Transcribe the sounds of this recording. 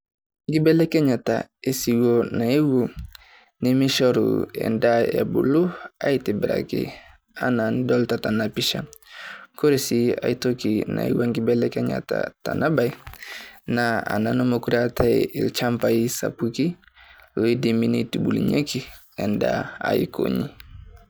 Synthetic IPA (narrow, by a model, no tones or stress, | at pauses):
ŋɡibɛlɛkɛɲata̰esiwonaiwu | nimiʃɔɾṵɛ̰ndaja̰buluaitibɾa̰kḭ | anandɔltatanapiʃa̰ | koɾesia̰itokinaiwaŋɡibɛlɛkaɲa̰ta̰tanʔabaj | naa̰nanɔmɔkuɾatʰailt͡ʃampaisa̰puki | loidiminitibulḭɲeki | ɛnda̰ːiko̰ɲi